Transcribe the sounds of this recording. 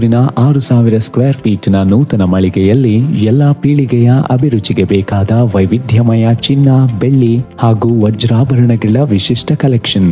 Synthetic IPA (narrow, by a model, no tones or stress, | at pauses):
ɾinɐʔaːɾusaːʋiɾɐskʋeːɾpʰiːʈnɐnuːt̪ɐnɐmɐɭiɡɛjɐlːijɛlːɐpiːɭiɡɛjɐʔɐbʱiɾut͡ʃiɡebɛːkaːd̪ɐʋɐjʋid̪ʱjɐmɐjɐt͡ʃinːɐbeɭːihaːɡuːʋɐd͡ʒɾaːbɐɾɐɳɐɡɭɐʋiʃiʂʈʰɐkɐlɛkʂɐn